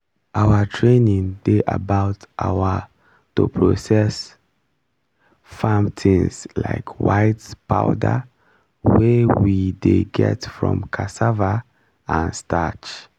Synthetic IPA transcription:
ʔawətʰɹẽnĩŋdeʔa̰baʊtʔawə | tupʰɹosɛs | fãmtʰĩŋsla̰ɪkʰwaɪtpaʊda̰ | wɛwideɡɛ̰tfɹɔ̰̃mkʰasava | ãnstʰat͡ʃ

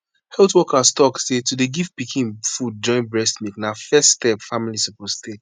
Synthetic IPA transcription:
hɛltwɔkastɔksetudeɡift̚pikʰĩnfud̚d͡ʒɔ̃ɪ̃nbɹɛstmiknafɛststɛpfamilisəposte

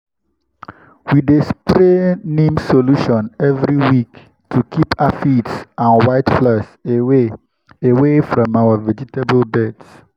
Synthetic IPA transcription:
widespɾenĩmsoluʃɔ̃nɛvɾiwik | tʰukʰipafitsãnwaɪtflase | ewefɹɔ̃mawəvɛd͡ʒitebəlbɛts

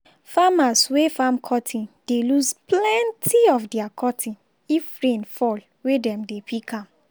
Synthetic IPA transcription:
famaswefamkʰɔtʰĩnd̥elusplɛ̃ntʰiɔfdɛakʰɔtʰĩn | ifɹẽnfɔl | wedɛ̃mdepʰikʰãm

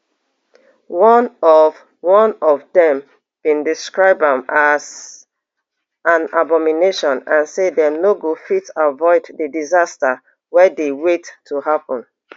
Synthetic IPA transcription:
wɔnɔv | wɔ̃nɔvdɛ̃m | b̥ĩndiskɹaɪb̚ãmaz̥ | ãnabɔmineʃɔ̃nãnsedɛnoɡofitavɔɪdðədizastə | wɛdewetʰːuɦapɔ̃n

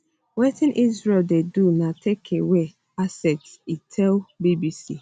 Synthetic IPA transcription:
wetɪ̃nʔizɹeldedunãtʰekʰewe | asɛtsitʰɛlbibisḭ

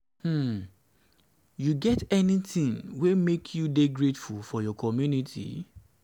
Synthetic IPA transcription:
hm̩ | juɡɛtɛnitĩŋwemekʰjudeɡɹetfulfɔjɔkʰɔmjunitʰḭ

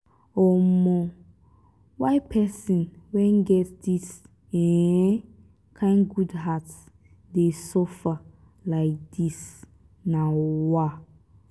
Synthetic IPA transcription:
ɔmɔ̃ | waɪpʰɛsĩnwɛ̃nɡɛtdis | ɛ̃ | kʰãɪ̃nɡudɦats | desɔfa | laɪk̚d̥is | nãwa

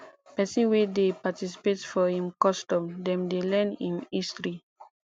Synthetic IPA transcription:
pɛsĩnwedepatisi̥petfɔhĩmkɔstɔ̃mdɛ̃mdelɛ̃nĩmistɹi

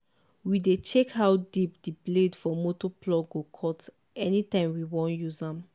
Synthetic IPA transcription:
widet͡ʃekhawdipdibledfɔmotɔplɔɡokʰɔt | ɛnitãɪ̃mwiwɔ̃njuzãm

